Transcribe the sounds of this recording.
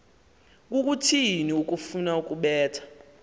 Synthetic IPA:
k̬uk̬ʼutʰiniuk̬ʼufunauk̬ʼuɓɛːtʰḁ

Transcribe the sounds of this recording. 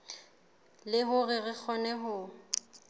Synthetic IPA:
lɪɦʊrɪrɪk͡xʰɔnɛɦʊ

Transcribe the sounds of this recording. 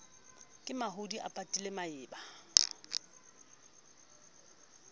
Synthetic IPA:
kʼɪmaɦʊdiʔa̰pʼatʼilemaɪːba

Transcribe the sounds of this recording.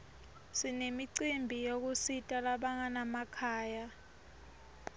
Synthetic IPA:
sinemiǀimbʱijok̬usitʼalaɓaŋanamakʰaːja

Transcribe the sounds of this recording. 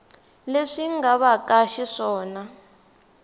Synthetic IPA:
leʂiŋɡaβakaʃiʂɔːna

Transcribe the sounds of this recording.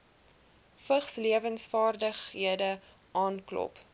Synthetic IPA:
fəχsliəvənsfɑːrdəχɦiədə | ʔɑːnklɔ̰p

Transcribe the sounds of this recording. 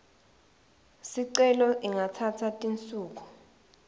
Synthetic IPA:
siǀɛlɔʔiŋatʰatʰatʼint͡sʼuːk̬u̥

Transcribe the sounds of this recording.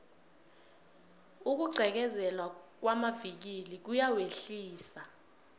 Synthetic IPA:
uk̬uǃʱɛk̬ɛzɛlwak̬wamavik̬ilik̬ujaweɬiːsa

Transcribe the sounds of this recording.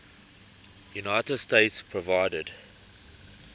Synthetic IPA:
junaɪtəd̥stetspʰɹɔvaɪdəd

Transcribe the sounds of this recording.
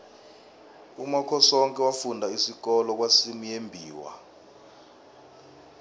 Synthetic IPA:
umakʰɔsɔŋkʼɛwafundʱaisik̬ɔlɔk̬wasimijembʱiːwa̰

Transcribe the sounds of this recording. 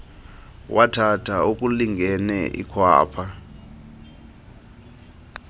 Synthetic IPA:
wʔatʰatʰauk̬ʼuliŋɡʱɛnɛʔḭkʰwa̰ːpʰa

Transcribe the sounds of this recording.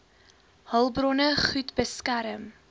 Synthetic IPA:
həlˠbɾɔnəχʉtb̥əskaɾəm

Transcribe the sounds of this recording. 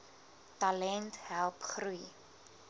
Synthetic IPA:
tɐlɛntɦælˠpχruj

